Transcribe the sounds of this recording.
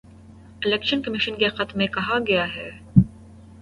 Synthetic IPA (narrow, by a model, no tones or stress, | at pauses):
ɪlɛːkʃənkɐmɪʃənkexət̪mẽkɐɦaɡɐjaɦɛː